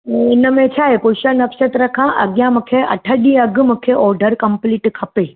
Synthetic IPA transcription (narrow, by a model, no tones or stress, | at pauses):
ɪnə̆mẽt͡ɕʰaːɦekoːʃənːɐfsət̪ɾɐkʰãʔɐɠijãmũːkʰeʔɐ̰ʈʰəɗĩɐɡʱʊmũːkʰeʔɔːɾɖəɾkɐ̃mpliːʈkʰɐpeː